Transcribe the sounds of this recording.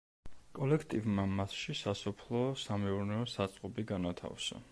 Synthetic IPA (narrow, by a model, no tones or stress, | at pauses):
kʼɔlɛkʰt̪ʼivmamasʃisasɔpʰlˠɔsamɛuɾnɛɔsat̪sʼqʼɔbiɡanat̪ʰa̰fsa̰